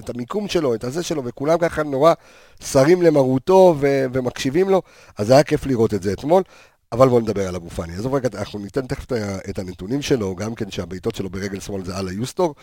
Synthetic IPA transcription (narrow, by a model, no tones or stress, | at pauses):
etamikumʃe̞lo̞etazeʃe̞lo̞ve̞kulamkaχano̞ʁa | saʁimle̞maʁuto̞ve̞ve̞makʃivimlo̞ | ʔazajake̞fliʁo̞tetzeːtmo̞l | avalbo̞ned̪abe̞ʁalaɡufaniazoveɡanaχnunite̞nteχftaetanetunimʃe̞lo̞ɡamke̞nʃeabejto̞tʃe̞lo̞be̞ʁeɡe̞lsmo̞lzealajusto̞ʁ